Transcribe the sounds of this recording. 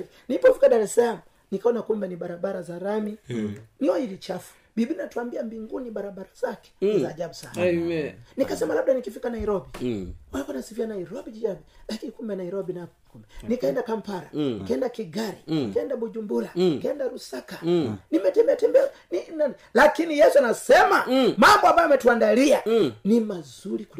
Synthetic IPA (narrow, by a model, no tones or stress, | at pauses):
nilipɔfikaɗaɾɛsalamu | nikaɔnakumbɛniɓaɾaɓaɾazaɾaminiwaiɾit͡ʃafu̥ | biɓinatuambiambiŋɡuniɓaɾaɓaɾazakɛ̥zaːd͡ʒabusan | nikasɛmalaɓ̚ɗanikifikanaiɾɔbiwalikuanasivianaiɾɔbid͡ʒiabilakinikumbɛnaiɾɔbina | kumbɛnikaɛndakampaɾa̰ikaɛndakiɡaɾikaɛndaɓud͡ʒumbulakaɛndaɾusakanimɛtɛmbɛatɛmbɛ | nina | lakinijɛsuanasɛmamambɔambajamɛtuandalianimazuliku